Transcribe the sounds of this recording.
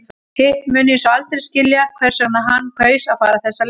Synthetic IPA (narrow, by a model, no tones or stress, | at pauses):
hɪmʏːnʏɪnsɔalt̪ɾɪscɪljakʰvɛr̥sɔnaɦanːkʰœːɥsaðfaːɾaθɛsːal